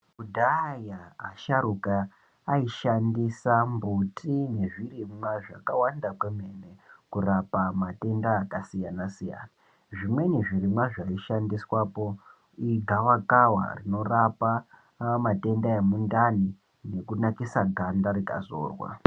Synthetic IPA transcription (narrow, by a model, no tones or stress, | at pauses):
ɡudʱajaːʃaɾukaː | iʃandisambutine̞ʐirimwaʐa̰kawandakwemenekurapamate̞ndaːkasijanasija̰na | ʐimwe̞ne̞ʐiɾimwaʐaiʃandiswapo̞ | iɡʱawakawa̰rino̞rapa | mate̞ndaemundani | ne̞kunakisaɡʱandaɾika̰zo̰ːrwa̰